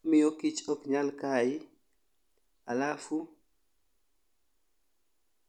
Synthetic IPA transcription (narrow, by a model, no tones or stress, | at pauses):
mijɔkit͡ʃɔkɲalkaːji | alafu